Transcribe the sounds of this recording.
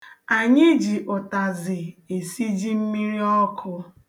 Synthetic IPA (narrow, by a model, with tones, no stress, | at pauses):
a˨ɲɪ˦d͡ʒi˨ʔʊ˨ta˨zɪ˨e˨si˦d͡ʒi˦m̩˦mi˦ɾi˦ɔ˦kʰʊ˦